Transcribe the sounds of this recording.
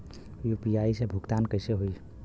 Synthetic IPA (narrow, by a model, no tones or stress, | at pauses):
jupijaisẽbʱukt̪ankəɪseɦoj